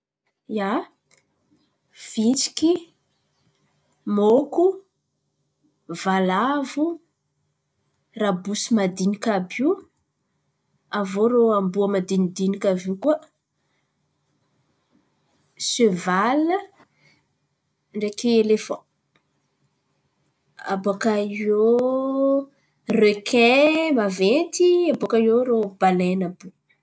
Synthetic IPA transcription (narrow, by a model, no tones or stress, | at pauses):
ja | v̥it͡si̥ki | moku | valavu | rabusimad̪inikabiu | avoɾoambuəmad̪inid̪inikʲavikuə | søvalə | ɳɖ͡ʐekielefɔ̃ | a̰bokaio | røkʰɛmavet̪iabokajoɾob̥alɛnabu